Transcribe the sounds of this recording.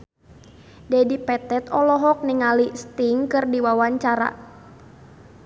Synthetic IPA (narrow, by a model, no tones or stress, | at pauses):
dɛdipɛt̪ɛt̪ɔlɔɦɔk̚niŋalist̪iŋkɨrdiwawaɲt͡ʃaɾa̰